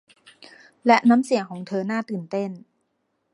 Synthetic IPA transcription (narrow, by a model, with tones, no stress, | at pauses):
lɛ˦˥ʔna˦˥msi˨˩˦əŋkʰɔː˩˦ŋt̪ʰɤː˧naː˥˩t̪ɯː˨˩nt̪e˥˩n